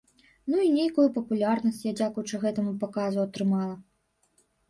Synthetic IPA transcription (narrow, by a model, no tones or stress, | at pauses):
nuinʲejkujupɐpulʲarnɐsʲt͡sʲjad͡zʲakujut͡ʂɨɣɛt̪ɐmupakazuɐt̪ɾɨmalˠɐ